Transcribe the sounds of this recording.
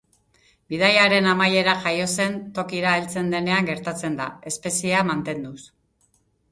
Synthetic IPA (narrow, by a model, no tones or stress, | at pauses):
bið̞ajaɾe̞namaje̞ɾaʝajo̞se̞nt̪o̞kiɾaelt͡se̞nd̪e̞ne̞aŋɡe̞ɾt̪at͡se̞nd̪ae̞spe̞siamant̪e̞nd̪us